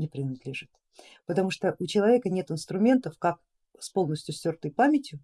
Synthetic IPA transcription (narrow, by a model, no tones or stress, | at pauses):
nʲɪpɾʲɪnɐd̪lʲɪʐɨt̪ | pət̪ɐmuʂt̪oʔʊt͡ɕɪlˠɐvʲe̞kənʲe̞t̪ɨnst̪ɾʊmʲe̞nt̪əfkak̚ | spo̞lˠnəsʲtʲjʊsʲtʲort̪əjpamʲɪtʲjʊ